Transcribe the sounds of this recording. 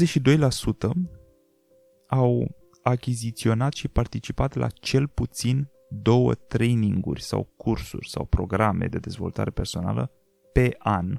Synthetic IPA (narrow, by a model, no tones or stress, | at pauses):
zeʃid̪o̞jlasut̪ə | aw | akʲizit̪sio̞nat̪ʃipart̪it͡ʃipat̪lʔa̰t͡ʃe̞lput̪sin | d̪o̞wə̰t̪ɾe̞jniŋɡṵrʲsa̰wkʰursṵrʲsa̰wpɾo̞ɡɾame̞̰d̪e̞d̪e̞zvo̞lt̪aɾe̞pe̞rso̞na̰lə̰ | pe̞ʔan